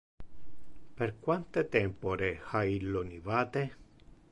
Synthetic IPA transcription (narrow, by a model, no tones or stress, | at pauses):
perkwant̪et̪ɛmpoɾexailonivaːt̪e